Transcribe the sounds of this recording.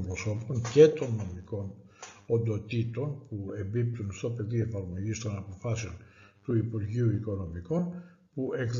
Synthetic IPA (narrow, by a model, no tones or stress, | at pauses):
pɾoso̞po̞ɲce̞t̪o̞nːo̞miko̞n | ond̪o̞t̪it̪o̞npue̞mbip̚t̪unst̪o̞pe̞ðiefɐɾmo̞ʝist̪o̞nɐpo̞fɐseo̞nt̪uipuɾʝiuiko̞no̞miko̞n | puekð